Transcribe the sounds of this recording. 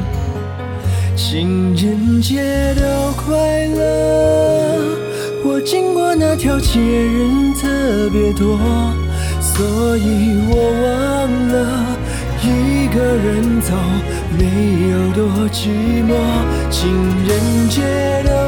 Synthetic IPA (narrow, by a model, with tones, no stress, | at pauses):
t͡ɕʰi˧ŋɻə˧˥nt͡ɕjɛ˥ɾo˧kʰwa˥ɪlə˧ | wɔ˨˩t͡ɕi˥ŋkwɔ˧˥na˥˧t̪ʰjɑ˧˥ʊt͡ɕʰɛ˧˩ɻə˧˥nt̪ʰə˥˩pjɛ˧˥t̪wɔ˥ | swɔ˧˥i˨˩wɔ˨˩wa˧˥ | ŋ̩lə˧ | i˧ɡə˧ɻə˧˥nt͡sʰɑ˨˩ʊ | me˧˩ɪjo˨˩ʊt̪̬wɔ˥t͡ɕy˧˥mɔ˧ | t͡ɕʰi˧˥ŋɻə˧˥nt͡ɕjɛ˥ | d̪o˧